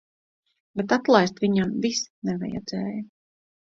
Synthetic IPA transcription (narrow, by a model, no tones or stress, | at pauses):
bet̪at̪lˠajst̪viɲamvisnɛvɛ̰jɛ̰d̪z̥ɛːj